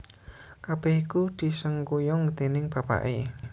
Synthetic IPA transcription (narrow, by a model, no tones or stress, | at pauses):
kab̥ɛhikud̪̥i̤səŋkujɔŋd̪enɪŋb̥a̤pa̰ʔe